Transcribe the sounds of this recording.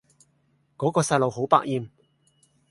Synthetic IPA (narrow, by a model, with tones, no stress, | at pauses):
kɔː˨˥kɔː˧sɐ˧jlo˨wɦo˨˥wpa̰ː˥k̚jiː˨˧m